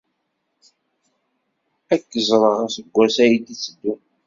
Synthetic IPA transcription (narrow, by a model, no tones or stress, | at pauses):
ækːəzˤɾˤɑsəɡʷːæsæjid̪it͡sːəd̪ːun